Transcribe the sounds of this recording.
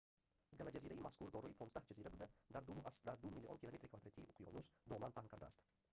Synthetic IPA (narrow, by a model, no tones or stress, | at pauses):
ɡʲalad͡ʒaziɾaimaskʊɾd̪ɒɾɔjipʰonsahd͡ʒaziɾabɪd̪ad̪aɾd̪umʊasd̪aɾd̪umilːionkʲɪlˠome̞t̪ɾɪkʰvad̪ɾet̪ʰiʊqʰjɔ̰nuzd̪ɒmanpʰaŋqʰɑɾd̪a̰st̪